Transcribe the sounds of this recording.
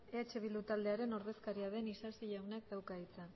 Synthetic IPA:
eat͡ʃe̞βild̪ut̪ald̪e̞aɾe̞no̞ɾðe̞skaɾiað̞e̞nisasiʎawnak̚d̪awkait͡sa

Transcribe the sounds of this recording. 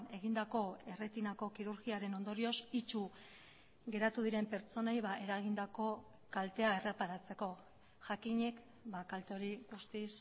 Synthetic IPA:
ne̞ɣ̞ind̪ako̞e̞re̞t̪inako̞kiɾuɾɣiaɾe̞no̞nd̪o̞ɾio̞sit͡ʃu | ɡe̞ɾat̪uðiɾe̞mpe̞ɾt͡so̞najβaʔe̞ɾaɣind̪ako̞ | kalt̪e̞ae̞re̞paɾat͡se̞ko̞ | ʝakiɲe̞k | bakalt̪eo̞ɾiɣust̪is

